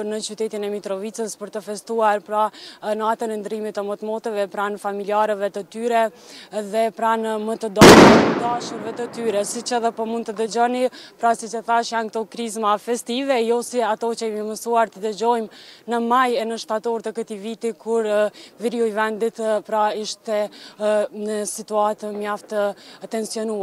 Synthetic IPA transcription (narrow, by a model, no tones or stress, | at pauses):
əɾnət͡ɕyt̪ɛt̪inɛmit̪ɾɔvit͡səspəɾt̪əfɛst̪uaɾpɾanat̪ənɛnd̪ɾimit̪əmət̪mɔt̪əvɛpɾanfamiliaɾəvɛt̪ət̪yɾɛðɛpɾanmət̪əd̪at̪əd̪aʃuɾvɛt̪ət̪yɾɛsit͡ɕɛðɛpɔmund̪̚t̪əd̪əd͡ʑɔnipɾasit͡ʃəθaʃjankət̪ɔkɾizmafɛst̪ivɛjɔsiat̪ɔt͡ɕəɛməməsuaɾt̪əd̪əd͡ʑɔjmnəmajɛnəʃt̪at̪ɔɾt̪əkət̪ivit̪ikʰuɾviɾiɔjvɛnd̪it̪pɾaiʃt̪ɛ | nəsit̪uat̪əmjaft̪ət̪ɛnsjɔnua